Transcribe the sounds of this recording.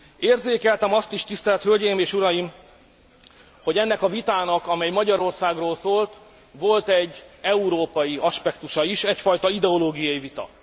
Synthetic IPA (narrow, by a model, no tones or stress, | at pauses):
eːrzeːkɛlt̪ɛmɒst̪iʃt̪ist̪ɛlɛt̪hølɟejmeːʃuɾɒjim | ho̞ɟɛnːɛkɒvit̪aːnɒkɒmɛjmɒɟɒɾo̞rsaːɡroːlsoːlt̪ | ʋo̞lt̪ɛɟːɛuɾoːpɒjiɒʃpɛkt̪uʃɒiʃɛcfɒjt̪ɒid̪ɛo̞loːɡijɒjivit̪ɒ̰